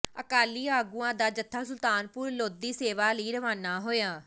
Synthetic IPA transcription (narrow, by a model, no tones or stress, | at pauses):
əkaːliːaːɡuːãːd̪aːd͡ʒət̪ʰːaːsʊlt̪aːnpʊɾloːd̪iːseːʋaːləiːɾəʋaːnaːɦoːjaː